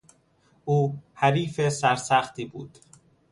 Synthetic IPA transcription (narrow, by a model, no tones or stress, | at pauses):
ʔuːhæɾiːfesæɾsæxt̪iːbṵːd̪̥